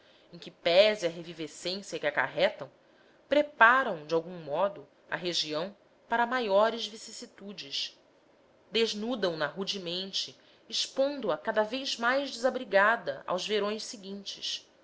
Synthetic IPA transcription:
ẽj̃kɪpɛzɪɐɦevivesẽsjɐkɪaka̰ɦɛt̪ɐ̃w̃ | pɾepaɾɐ̃w̃d͡ʒɪawɡũmɔd̪ʊ | ɐ̰ɦeʒiɐ̃w̃ | paɾɐmajɔɾɪzvisisit̪ud͡ʒɪʃ | d̪eʒnud̪ɐ̃w̃nɐɦud͡ʒimẽnt͡ʃɪː | ʃpõnd̪ʊɐkad̪ɐvejzmajʒd͡ʒɪzabɾiɡad̪ɐʔa̰wzveɾõj̃ssiɡĩnt͡ʃɪ̰ʃ

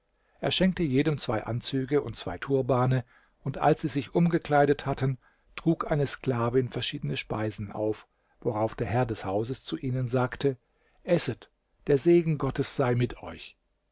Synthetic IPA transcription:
ʔeːɐʃɛŋk̚təjeːdəmt͡sv̥aɪʔa̰nt͡syːɡəʊnt̚t͡sv̥a̰ɪtʰuːɐbaːnə | ʔʊntʔa̰lsz̥iːzɪçʔʊmɡəkl̥aɪɾəthatən | tʁ̥uːkʔaɪnəsklaːvɪnfɛɐʃiːdənəʃpaɪzn̩a̰ʊf | voʁaʊfd̥eːɐɦɛɐdɛshaʊzəst͡suʔiːnənzaːktʰə | ʔɛsət | d̥eːɐzeːɡŋ̩ɡɔtəsz̥aɪmɪtʰɔ̰ʏç

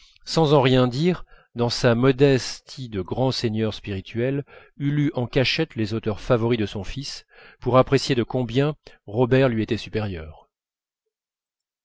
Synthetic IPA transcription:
sɑ̃zɑ̃ʁjɛ̃d̪iʁ | d̪ɑ̃samɔd̪ɛst̪ʰid̪əɡʁɑ̃seɲœʁspiʁit̪ʰɥɛl | ylyʔɑ̃kʲaʃɛt̪lezot̪œʁfavɔʁid̪əsɔ̃fis | puʁapχesjed̪əkɔ̃bjɛ̃ʁɔbɛʁlɥiet̪ɛsypɛʁjœːʁ

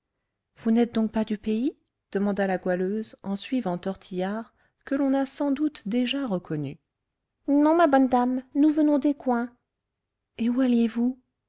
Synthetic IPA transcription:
v̥unɛt̪̚d̪ɔ̃k̚pad̪ypei | d̪̥əmɑ̃d̪alaɡwaløzɑ̃sɥivɑ̃t̪ɔʁt̪ʰijaʁ | kəlɔ̃nasɑ̃d̪ut̪d̪eʒaʁəkʰɔny̰ | nɔ̃mabɔnd̪amnuvənɔ̃d̪ekwɛ̃ | eualjevu

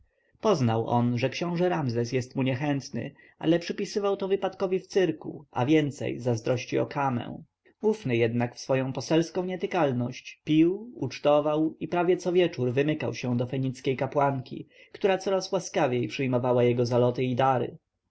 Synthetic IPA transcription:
pɔznawʔɔnʐɛkɕɔ̃w̃ʐɛɾamzɛsjɛst̪muɲɛxɛnt̪nɘ̰ | ʔa̰lɛpʂɘpʲisɘvawt̪ɔvɘpat̪kɔvʲift̪sɘɾkṵʔa̰vʲjɛnt̪sɛ̰jzazd̪ɾɔɕt͡ɕiɔ̰kʰamɛ̰̃w̃ | ufnɘjɛd̪nakfsfɔjɔ̃w̃pɔsɛlskɔ̃w̃ɲɛt̪ɘkalnɔɕt͡ɕpʲiwut͡ʂt̪ɔvawipɾavʲjɛt̪sɔvʲjɛt͡ʂuɾvɘmɘka̰wɕɛ̃d̪ɔfɛɲit̪skʲejkapwaŋkʲʰḭkt̪uɾat̪sɔɾaswaskavʲjejpʂɘjmɔvawajɛɡɔzalɔt̪ɘid̪aɾɘ̰

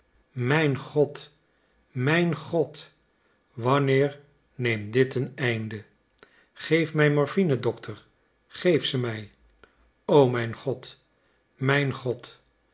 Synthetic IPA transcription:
mɛjnχɔt | mɛjnχɔt | ʋɑnɪːɹ | nejmdɪtənɛjndə | χejfmɛjmɔɹfinədɔktʰəɹ | χejfsəmɛj | owmɛjnχɔt | mɛjnχɔt

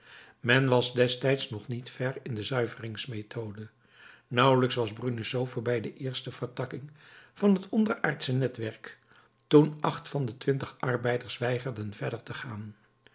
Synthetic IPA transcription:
mɛnʋɑzdɛstɛjtsnɔχnitfɛrɪndəzœɥvərɪŋsmetʰowdə | nʌwləksʋɑzbrynəsowvəɹbɛjdəʔɪːɹstəv̥əɹtɑkɪŋv̥ɑnɦətɔndəɹaːɹtsənɛtʋɛɹk | tunʔɑχtfɑndətʋɪntəχʔɑrbɛjdəɹsʋɛjχəɹdənvɛɹdəɹtəχaːn

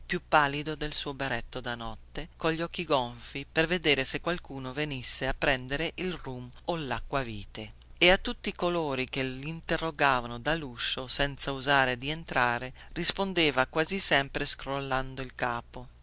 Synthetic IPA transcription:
pjupːaːlːid̪od̪elsuːobeɾɛt̪ːod̪anɔt̪ːekoʎːɔk̟ːiɡoɱfiperved̪eːɾesekːwalkuːnovenisːeapːɾɛnd̪eɾeʔilrumolːakːwaviːt̪eeat̪ːut̪ːikoloːɾik̟elint̪erːoɡaːvanod̪aluʃːosɛnt̪sauzaːɾed̪ient̪ɾaːɾerispond̪eːvakwaːzisɛmpɾeskɾolːand̪oilkaːpo

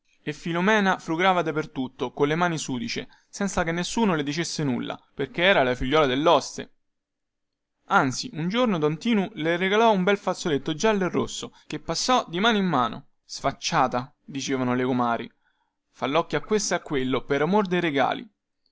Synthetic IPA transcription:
efːilomɛːnafɾuɡɾaːvad̪apert̪ut̪ːokonlemaːnisuːd̪it͡ʃḛ | sɛnt̪sakenːesːuːnoled̪it͡ʃesːenṵlːa̰perkeɛːɾalafiʎːɔːlad̪elːɔst̪ḛ | ant̪siʔund͡ʒornod̪ɔnt̪iːnulereɡalɔumbɛlfat̪sːolet̪ːod͡ʒalːoerːosːokepːasːɔd̪imaːnoimːaːno̰ | sfat͡ʃːaːt̪a | d̪it͡ʃeːvanolekomaːɾḭ | falːɔkːjoakːwest̪akːwelːopeɾamord̪ejɾeɡa̰ːlḭ

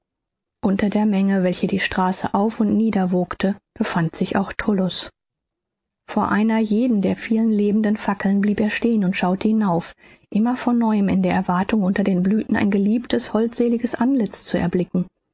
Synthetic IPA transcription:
ʔʊntɐdeːɐmɛŋəvɛlçədiːʃtʁ̥aːsə̰ʔaʊfʊntniːdɐvoːktʰəb̥əfantz̥ɪça̰ʊxtʰʊlʊs | foːɐʔaɪnɐjeːdn̩deːɐfiːlənleːbn̩dənfakl̩nbliːpeːɐʃteːənʊntʃaʊtʰəhɪnaʊfʔɪmɐfɔnːɔʏəmɪ̰ndeːɐɛɐvaɐtʊŋʔʊntɐdeːnblyːtn̩ʔa̰ɪnɡəliːptʰəshɔltz̥eːlɪɡəsʔanlɪt͡st͡suɛ̰ɐblɪkŋ̩

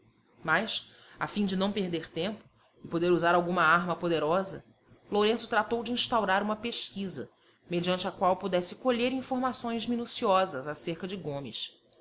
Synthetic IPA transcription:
majʃ | afĩd͡ʒɪnɐ̃w̃peɦd̪eɾt̪ẽmpʊ | ɪpod̪eɾuzaɾawɡũmɐaɦmɐpod̪eɾɔzɐ̰ | loɾẽsʊt̪ɾat̪owd͡ʒɪĩʃt̪awɾaɾũmɐpeʃkizɐ̰ | med͡ʒiɐ̃nt͡ʃɪakwawpud̪ɛsɪkoʎeɾĩfoɾmasõj̃zminusiɔzɐzaseɾkɐd͡ʒɪɡõmɪ̰s

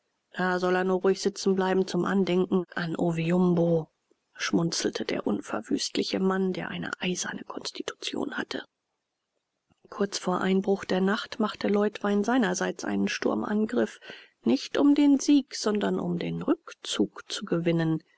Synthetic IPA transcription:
d̥aːzɔleːɐnuːɐʁʊːɪçz̥ɪt͡sn̩blaɪbm̩t͡sʊmʔa̰ndɛŋkŋ̩ʔanʔoviʊmbo | ʃmʊnt͡sl̩tʰəd̥ḛːɐʔʊnfɛɐv̥yːstlɪçəmandeːɐʔaɪnə̰ʔaɪz̥ɐ̰nəkʰɔnstʰi̥tʰu̥t͡sjo̰ːnha̰tʰə̰ | kʰʊɐt͡sfoːɐʔaɪnbʁʊχd̥eːɐnaχtmaχtəlɔʏtv̥aɪnzaɪnɐzaɪt͡sʔa̰ɪnənʃtʊɐmʔa̰nɡʁɪf | nɪçtʔʊmdeːnziːkz̥ɔndɐnʔʊ̰mdeːnʁʏkt͡suːkt͡suɡəvɪnən

